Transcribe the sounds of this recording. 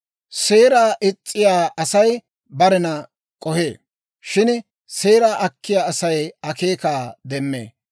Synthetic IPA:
se̞ːɾaːʔɪt͡sʼːɪjaːʔɐsɐj | bɐɾɛnɐ | kʼɔheː | ʃɪn | se̞ːɾaːʔɐkːɪjaːsɐjɐkeːkaːd̪ɛmːḛː

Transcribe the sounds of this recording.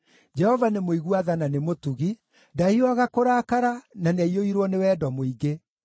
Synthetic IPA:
d͡ʒɛhɔvanemoiɣuaðananemotuɣi | daiɔɣakoɾakaɾananaioiɾwɔnewɛdɔmoiɡe

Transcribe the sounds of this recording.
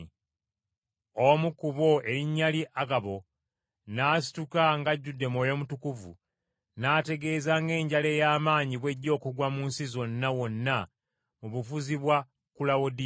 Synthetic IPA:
omukuβo̞e̞ɾiɲːaliʔaɡaβo̞ | naːs̬i̥tukaŋɡaɟːudːe̞mwoːjo̞mutukuvṵ | naːte̞ɡe̞ːzaŋɡe̞ːɲɟale̞ːjaːmaːɲiβwe̞ɟːo̞ːkuɡwamuːnsizo̞nːawo̞nːa | muβufuziβwa | kulawodi

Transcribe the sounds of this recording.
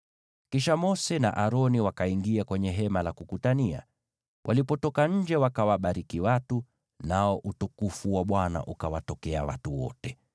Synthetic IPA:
kiʃamɔsɛna̰ʔaɾɔniwakaiŋɡiakwɛɲɛɦɛmalakukutania̰ | wʔalipɔtɔkaɲ̩d͡ʒɛwakawaɓaɾikiwatu | naɔʔutukufuwaɓwana̰ʔukawatɔkɛa̰watuwɔ̰tɛ

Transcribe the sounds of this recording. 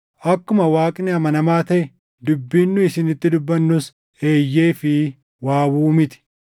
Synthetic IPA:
ʔɐkːʊmɐwaːkʼnɪɐmɐnɐmaːt̪ɐʔɛ | d̪ʊbːiːnːʊɪsɪnɪt̪ːɪd̪ʊbːɐnːʊs | e̞ːjːeːfɪ | waːwuːmɪt̪ɪ̥

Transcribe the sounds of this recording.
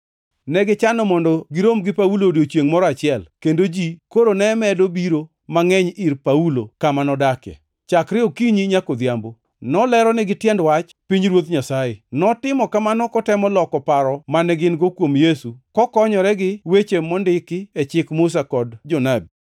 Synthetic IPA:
nɛɡɪt͡ʃanɔmɔndɔɡɪɾomɡɪpaulodjot͡ʃjeŋmɔɾɔat͡ʃɪɛlkendod͡ʒikoɾonɛmɛdobiɾo | maŋɛɲiɾpaulokamanɔdakjɛ̰ | t͡ʃakɾɪɔkiɲiɲakod̪jambo | nɔlɛɾɔnɛɡɪtjɛndwat͡ʃ | piɲɾwot̪ɲasajenɔtɪmɔkamanɔkɔtɛmɔlɔkɔpaɾɔmanɛɡɪnɡokwomjesukɔkɔɲɔɾɛɡɪwet͡ʃemɔndɪkɪɛt͡ʃɪkmʊs̬akɔdd͡ʒɔnabi

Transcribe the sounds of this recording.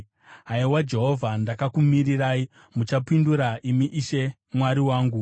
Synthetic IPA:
ɦaiwad͡ʒe̞ɦo̞vʱandakakumiriraːi | mut͡ʃapinduɾaʔimiʔiʃe̞ | mwaɾiwaːŋɡu

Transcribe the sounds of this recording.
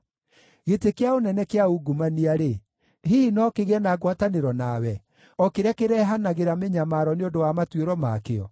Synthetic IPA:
ɣetekeaonɛnɛkeauɡumaniaɾe | ɦiinɔkeɣɛnaɡwataneɾɔnawɛ | ɔkeɾakeɾɛɦanaɣeɾameɲamaɾɔneondowamatweɾɔma̰keɔ̰

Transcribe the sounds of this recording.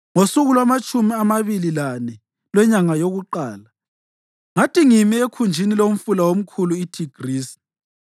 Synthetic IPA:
ŋosuɣulwamat͡ʃʼumiamaβililanɛ | lwɛɲaŋajoɣuǃaːla | ŋatʰʼiŋimiekʰund͡ʒʱinilom̩fulawom̩kʰuluitʰiɡ̥ʱriːsi̥

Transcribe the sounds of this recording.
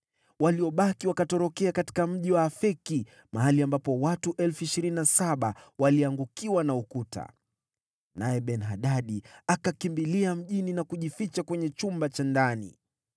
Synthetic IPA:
waliɔɓakiwakatɔɾɔkɛakati̥kam̩ʄiwaːfɛki | maɦaliambapɔwatuʔɛlfuiʃiɾininasaɓawaliaŋɡukiwanaukuta̰ | najɛɓɛnɦaɗaɗiakakimbiliam̩ʄininakuʄifit͡ʃakwɛɲɛt͡ʃumbat͡ʃandanḭ

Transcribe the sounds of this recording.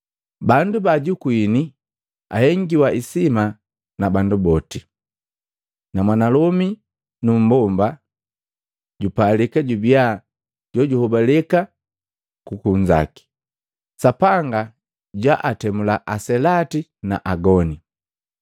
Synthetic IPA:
bandubaɟukwini | a̰hɛŋɡiwaʔisima | nabandubɔti | namwanalɔmi | num̩bɔmba | ɟupalikaɟubia | ɟɔɟuhɔbalɛka | kukuɲd͡ʒa̰ki̥ | sapaŋɡa | ɟwaʔatɛmulaʔasɛlatina̰ʔaɡɔni

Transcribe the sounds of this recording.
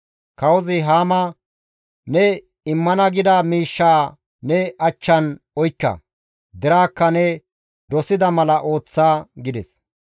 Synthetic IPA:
kɐwɔzɪɦaːmɐ | nɛ | ɪmːɐnɐɡɪd̪aːmiːʃːaː | nɛɐt͡ʃːɐnɔjkːɐ̰ | d̪ɛɾaːkːɐnɛ | d̪ɔsɪd̪ɐmɐlɐʔo̞ːt͡sːaːɡɪd̪ɛs

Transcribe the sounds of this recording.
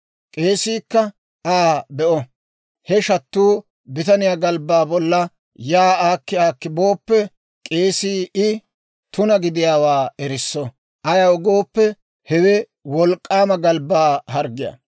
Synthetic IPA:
kʼe̞ːsiːkːɐ | ʔaːbɛʔɔ | hɛʃɐt̪ːuː | bɪt̪ɐnɪjaːɡɐlbːaːbɔlːɐ | jaːaːkːɪaːkːɪboːpːɛ | kʼe̞ːsiːɪ | t̪ʊnɐɡɪd̪ɪjaːwaːɛɾɪsːɔ | ʔɐjaʊɡoːpːɛ | hɛwɛ | wɔlkʼːaːmɐɡɐlbːaːɦɐɾɡɪja̰

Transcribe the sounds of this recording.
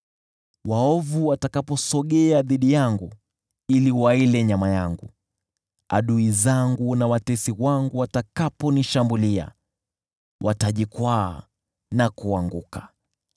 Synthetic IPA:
waɔvuwatakapɔsɔɠɛaðiɗijaŋɡu | iliwailɛɲamajaŋɡu | a̰ɗuizaŋɡunawatɛsiwaŋɡuwatakapɔniʃambulia̰ | wʔataʄikwa̰ː | nakuaŋɡukḁ

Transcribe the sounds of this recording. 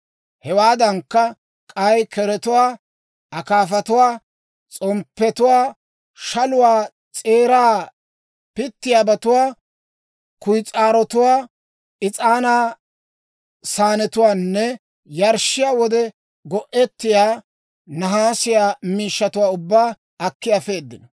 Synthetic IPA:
hɛwaːd̪ɐŋkːɐ | kʼɐjkɛɾɛt̪ʊwaː | ʔɐkaːfɐt̪ʊwaː | t͡sʼɔmpːɛt̪ʊwaː | ʃɐlʊwaː | t͡sʼeːɾaː | pɪt̪ːɪjaːbɐt̪ʊwaː | kʊjt͡sʼaːɾɔt̪ʊwaː | ɪt͡sʼaːnaː | saːnɛt̪ʊwaːnːɛ | jɐɾʃɪjaːwɔd̪ɛ | ɡɔʔɛt̪ːɪjaː | nɐɦaːsɪjaːmiːʃːɐt̪ʊwaːʊbːaː | ɐkːɪjafe̞ːd̪ːɪnɐ

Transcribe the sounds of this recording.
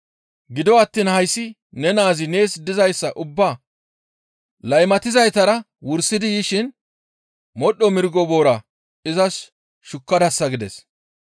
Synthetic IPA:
ɡɪd̪ɔɐt̪ːiːnhɐjsːɪ | nɛnaːzɪne̞ːsd̪ɪzɐjsːɐʔʊbːaː | lɐjmɐt̪ɪzɐjt̪ɐɾɐ | wʊɾsːɪd̪ɪjɪʃɪn | mɔɗːɔmɪɾɡɔbo̞ːɾɐ | ɪzɐs | ʃʊkːɐd̪ɐsːɐɡɪd̪ɛs

